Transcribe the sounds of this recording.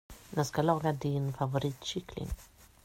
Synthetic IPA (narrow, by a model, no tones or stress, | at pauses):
njaskalɑːɡad̪ɪnfavʊɾiːt̪ɕʏkʰlɪ̰ŋ